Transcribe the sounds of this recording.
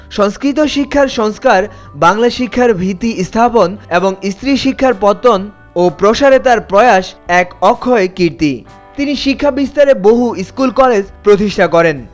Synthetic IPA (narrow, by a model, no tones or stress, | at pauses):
ʃɔŋskɾit̪oʃikʰːaɾʃɔŋskaɾ | baŋlaʃikʰːaɾbʱit̪ːist̪ʰaponeboŋist̪ɾiʃikʰːaɾpɔt̪ːon | opɾoʃaɾet̪aɾpɾɔeaʃɛkɔkʰːɔekiɾt̪i | t̪iniʃikʰːabist̪aɾeboɦuiskulkɔled͡ʑpɾot̪iʃʈʰakɔɾen